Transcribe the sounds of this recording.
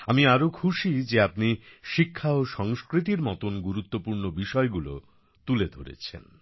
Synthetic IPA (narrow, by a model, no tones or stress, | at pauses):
amiaɾokʰuʃid͡ʑeapniʃikʰːaoʃɔŋskɾit̪̬iɾmɔt̪onɡuɾut̪ːopuɾnobiʃɔeɡulo̰ | t̪uled̪ʱo̰ɾḛt͡ɕʰḛn